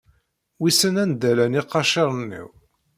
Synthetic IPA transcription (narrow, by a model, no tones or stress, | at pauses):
wisənænd̪ælæniqːɑʃiɾˤnːḭw